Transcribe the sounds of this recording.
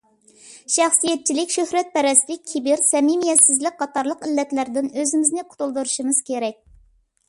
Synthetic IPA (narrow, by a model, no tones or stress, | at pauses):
ʃɑχsijɛt̪̚t͡ʃʰilɪkʲʃøhɾɛt̪̚pʰɛɾɛsd̪ɪkʲʰibɪɾsɛmimijɛt̪sɪzlɪk̚ʲqʰɑt̪ɑɾlˠəqɪlːɛt̪læɾd̪ɪnøzɪmɪznɪqʰʊ̥t̪ulˠd̪uɾuʃɨmɨz̥kʲʰeɾɛk̚ʲ